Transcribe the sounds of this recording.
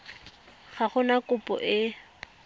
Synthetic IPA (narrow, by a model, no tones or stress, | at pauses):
χaχʊnakʼʊpʼɔ̰ʔɪ